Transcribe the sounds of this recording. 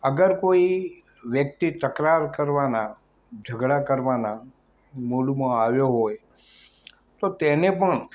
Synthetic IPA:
əɡəɾkoi | ʋjək̚t̪it̪əkɾaɾkəɾʋana | d͡ʒʱəɡɽakəɾʋana | molumãaʋjoɦoj | t̪ot̪enepəɳ

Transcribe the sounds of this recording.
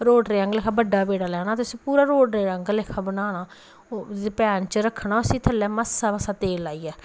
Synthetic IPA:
ɾoːɖɾeːəŋɡlɪːkʰaːbəɖːaːbeːɽaːlɛːñaːt̪ʊsĩːpuːɾaːɾoːɖɾeːəŋɡlekʰaːbənaːnaː | epɛːnt͡ʃəɾəkʰːnaːʊsiːt̪ʰəlːɛːməsaːməsaːt̪eːlaːiːɛː

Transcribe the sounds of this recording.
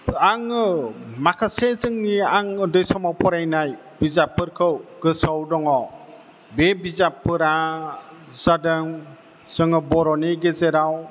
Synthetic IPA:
aŋɯmakʰasezɯŋniaŋɯdɯjsɔmawpʰɔɾajnaj | bizapʰːɯɾkʰɯwɡ̥ɯsɔwdɔŋɔ | bebizapːɯɾa | zadɯŋ | z̥ɯŋɯbɔɾɔniɡezeɾaw

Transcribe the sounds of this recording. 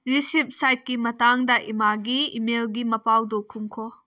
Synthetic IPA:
ɾisip̚sajt̚kimɐtaŋdɐʔimaɡiːmelɡimɐpawdɔkʰumkʰɔ

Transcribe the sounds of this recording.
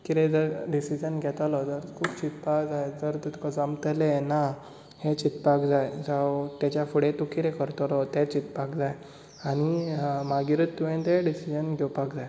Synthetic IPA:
kit̪ed͡zəɾɖisid͡ʑənɡʱɛt̪alɔt̪əɾkʰuːpt͡ɕit̪pakd͡zajd͡zəɾt̪et̪ukad͡zamt̪əlena | het͡ɕit̪pakd͡zajd͡zawt̪jat͡ɕjafəɽet̪okit̪ekəɾt̪alɔt̪ɛt͡ɕit̪pakd͡zaj | aɽ̃imaɡiɾət̪ːuʋẽnd̪eɖisid͡ʑənɡʱɛwpakd͡zaj

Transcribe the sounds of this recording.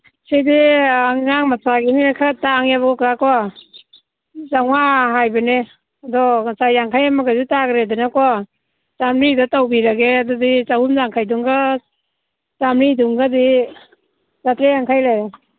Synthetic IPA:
sediaŋːaŋmasaɡiniakʰataŋaβɔkaka | zaŋwaɦajbane | adɔasajaŋkʰajamaɡazitaɡɾedanaka | zamɾidatawbiɾaɡeadɔdizahumzaŋkʰajduŋɡa | zamɾiduŋɡadi | zatɾejaŋkʰajlajɾa

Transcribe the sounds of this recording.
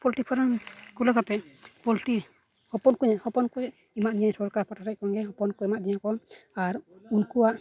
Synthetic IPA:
pɔlʈipʰaɾankulakat̪ɛpɔlʈi | hɔpɔnkuɲahɔpɔnkuj | imaʔd̪ɛɲaɲsɔɾkaɾpʰaʈaɾac̚kɔŋɡɛɦɔpɔnkɔimaʔd̪iɲakɔaɾunkuwaʔ

